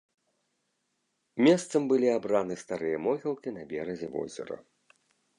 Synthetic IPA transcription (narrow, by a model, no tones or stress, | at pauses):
mʲɛst̪sɐmbɨlʲiabɾanɨst̪aɾɨjɐmɔɣʲilˠkʲinɐbʲɛɾɐzʲɛvɔ̰zʲɛ̰ɾɐ̰